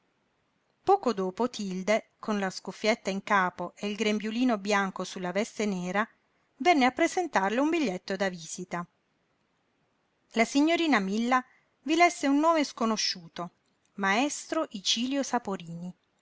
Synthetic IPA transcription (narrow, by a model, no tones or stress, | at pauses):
pɔːkod̪oːpot̪ʰild̪ekʰonlaskufːjet̪ːaiŋkaːpoʔeilɡɾembjuliːnobjaŋkosulːavɛst̪eneːɾa | vɛnːeapːɾezent̪arleumbiʎːet̪ːod̪aviːz̥it̪a | lasiɲːoɾiːnamilːa | vilɛsːeunːoːmeskonoʃːuːt̪o | maest̪ɾoʔit͡ʃiːljosapoɾiːni